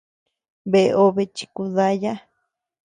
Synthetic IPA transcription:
be˧ʔo˦βe˧t͡ʃi̥˧ku˧ða˦ja˦

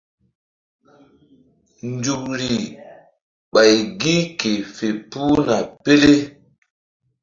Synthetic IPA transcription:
nd͡ʒu˨k̚ɾi˨ | ɓa˨jɡi˦ke˨fe˨pu˦na˨pe˦le˦

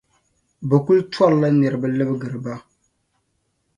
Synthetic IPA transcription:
bɛ˨ku˦ltɔ˦lla˦nɛ˨ɾɨ˨ba˦lɨ˦bɡɨ˨ɾɨ˨ba˦

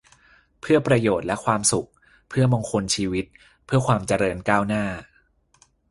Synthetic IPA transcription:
pʰɯ˥˩ɐpɾa˧joː˨˩t̪̚lɛ˦˥kʰwaː˧msu˨˩k̚ | pʰɯ˥˩ɐmo˧ŋkʰo˧nt͡ɕʰiː˧wi˦˥t̪̚ | pʰɯ˥˩ɐkʰwaː˧mt͡ɕa˧ɾɤː˧nkaː˥˩wnaː˥˩

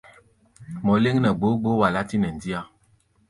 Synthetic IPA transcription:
mɔ˨le˦ŋnɛ˨ɡ͡bo˨˦ɡ͡bo˦wa˨la˦ti˦nɛ˨n̩˨di˦a˦

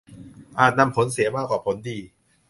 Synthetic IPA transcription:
ʔaː˨˩t̪̚na˧mpʰo˩˦nsi˩˦ɐmaː˥˩kwaː˨˩pʰo˩˦ndiː˧

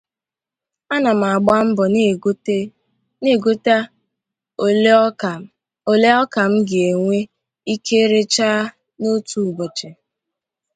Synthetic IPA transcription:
a˦na˨m̩˨a˨ɡ͡ba˦m̩˦bɔ˨n˦ | ne˦˨ɡo˦ta˦˨˦ | o˨le˦ɔ˦ka˨m̩˦ɡɪ˨e˨ŋʷe˦ | i˦kʰe˦ɾe˦t͡ʃaː˦ | no˦tu˨bɔ˨t͡ʃe˨

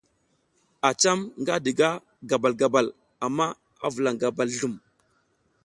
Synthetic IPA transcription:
a˨t͡ʃa˦mŋɡa˦di˨ɡa˦ | ɡa˨ba˨lɡa˨ba˨l | a˨mːa˦ | a˦və˨la˨ŋɡa˨ba˨lɬu˦˨m

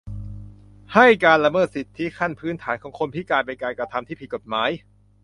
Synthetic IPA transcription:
ha˥˩jkaː˧nla˧mɤː˥˩t̪̚si˨˩t̪ʰːi˦˥kʰa˥˩npʰɯː˦˥nt̪ʰaː˩˦nkʰɔː˩˦ŋkʰo˧npʰiː˥˩klaː˧jpa˧jkaː˧jkɾa˧t̪ʰa˧mt̪ʰiː˥˩pʰi˨˩ko˨˩t̪̚maː˩˦˥j

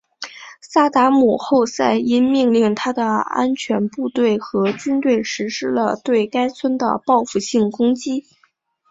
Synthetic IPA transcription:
sa˥˩t̪a˧˥mu˨˩xo˥˧ʊsa˥˩ɪi˥nmi˥˧ŋli˥˩ŋt̪ʰa˥d̪ə˨a̰˥nt͡ɕʰɥɛ˧˥npu˥˧t̪we˥˩ɪxɤ˧˥t͡ɕy˥nt̪we˥˩ɪʂɻ̩˧˥ʂɻ̩˥lə̰˧t̪we˥˩ɪka˥ɪt͡sʰwə˥nd̪ə̰˨pɑ˥˧ʊfu˥˧˩ɕi˥˩ŋkʊ˥ŋt͡ɕi˥

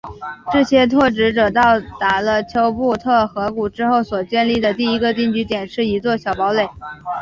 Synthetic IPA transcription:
ʈ͡ʂɤ˥˩ɕjɛ˥t̪ʰwɔ˥˩ʈ͡ʂɻ̩˧˥ʈ͡ʂɤ˨˩t̪ɑ˥˩ʊt̪a˧˥˩lə˧t͡ɕʰjo˧˥ʊpu˥˧t̪ʰɤ˥˩xɤ˧˥ku˨˩ʈ͡ʂɻ̩˥xo˥˩ʊswɔ˨˩t͡ɕjɛ˥˧nli˥˩d̪ə˩t̪i˥˩i˧˥ɡə˧t̪i˥˩ŋt͡ɕy˧˥t̪jɛ˨˩nʂɻ̩˥˩i˧˥t͡swɔ˥˩ɕjɑ˨˩ʊpɑ˧˥ʊle˨˩ɪ

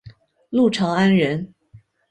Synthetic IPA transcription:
lu˥˩ʈ͡ʂʰɑ˧˥ŋa˥nɻə˧˥n

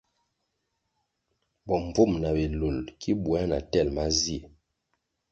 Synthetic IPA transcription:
bɔ˨ɱ˨vo˦˨mna˨be˨lo˨lkʰi˦bwa˦na˨tɛ˦˨lma˦zi˦e˨

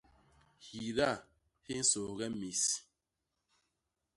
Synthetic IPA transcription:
hi˨ɾa˦˨ | hi˦n̩˦so˨ɣɛ˦mi˨s

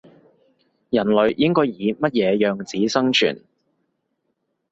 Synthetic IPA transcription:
jɐ˨˩nlɵ˨˧ɥjɪ˥ŋkɔː˥jjiː˨˧mɐ˥t̚jɛː˨˧jœː˨ŋt͡siː˨˥sɐ˥ŋt͡ʃʰy̰ː˨˩n

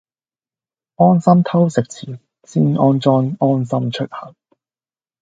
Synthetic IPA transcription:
ɔː˥nsɐ˥mt̪ʰɐ˥wsɪ˨k̚t͡sʰiː˨˩ | siː˥nʔɔː˥nt͡ʃɔː˥nɔː˥nsɐ˥mt͡ʃʰɵ˥t̚hɐ˨˩ŋ

